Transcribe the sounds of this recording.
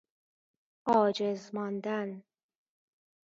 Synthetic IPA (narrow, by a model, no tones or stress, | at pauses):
ɒːd͡ʒezmɒnd̪æn